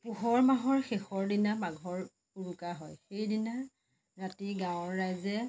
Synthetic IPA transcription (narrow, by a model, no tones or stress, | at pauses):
puɦɔɹmaɦɔɹxexɔɹdinamaɡʱɔɹ | uɹukaɦɔjxejdina | ɹatiɡãʊ̃ɔɹːajzɛ